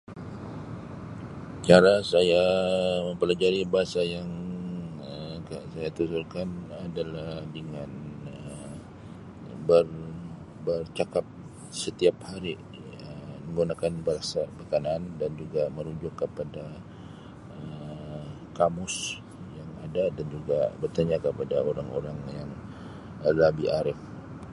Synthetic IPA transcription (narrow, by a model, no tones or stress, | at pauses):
t͡ʃaɾasajaməmpəlad͡ʒaɾibaɦasajaŋ | əkasajat̪usurkanadalahdəŋanə | bər | bərt͡ʃakap̚ | sət̪iap̚haɾi | əməŋɡunakanbəɾasabək̪anandand͡ʒuɡaməɾud͡ʒʊkːəpada | ə | kamʊs | jaŋadadand͡ʒuɡabərt̪aɲakəpadaoɾaŋo̰ɾaŋjaŋ | əlabiʔaɾɪf